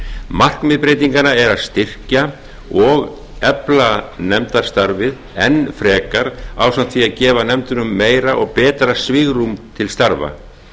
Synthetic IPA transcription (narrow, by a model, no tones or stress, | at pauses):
mar̥kmɪðpɾejt̪iŋkanaɛɾaðst̪ɪr̥ca | ɔɣ | ɛplanɛmt̪ḁst̪aɾvɪð | ɛnfɾɛːkaɾawsan̥t̪ʰfiaðcɛːvanɛmt̪ʏnʏmːeːjɾaʔɔɣpɛːt̪ɾasvɪɣrumt̪ʰɪlst̪aɾva̰